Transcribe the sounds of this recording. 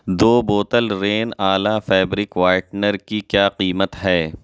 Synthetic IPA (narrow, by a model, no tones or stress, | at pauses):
d̪oːboːt̪əlɾeːnaːlafɛːbɾɪkʋaːjʈnəɾkikjaːqiːmət̪ɦɛː